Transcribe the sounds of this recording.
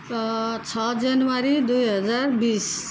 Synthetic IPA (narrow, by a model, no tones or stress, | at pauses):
t͡ʃʰɔd͡ʒanʋaɾid̪ujɦʌd͡zaɾbis